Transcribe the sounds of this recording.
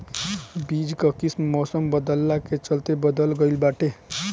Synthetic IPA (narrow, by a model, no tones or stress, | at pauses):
biːd͡ʒkəkismmɔsəmbəd̪əlːaket͡ʃəlt̪ebəd̪əlɡəɪlbaːʈe